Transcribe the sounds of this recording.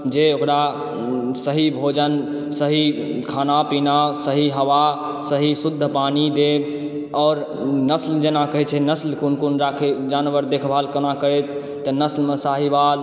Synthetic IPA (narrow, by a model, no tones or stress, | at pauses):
d͡ʒeokɾa | səɦibʱod͡ʒən | səɦi | kʰaːnapinasəɦiɦəʋa | səɦisud̪ʱːəpanid̪eb | ɔːɾ | nəsld͡ʒenakəɦɛt͡ʃʰɛnəslkunkunɾakʰed͡ʒanʋəɾd̪ekʰbʱalkənakəɾɛt̪ː | ənəslmẽsaɦibal